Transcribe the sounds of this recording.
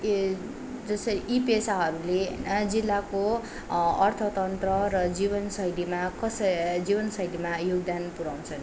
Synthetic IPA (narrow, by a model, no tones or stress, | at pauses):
d͡zʌsʌɾiʔipesaɦʌɾuled͡zilːako | ʌrt̪ʰʌt̪ʌnt̪rʌɾʌd͡ziβʌnsʌjlimakʌsʌd͡zibʌnsʌjlimajoɡd̪anpuɾaw̃nt͡sʰʌn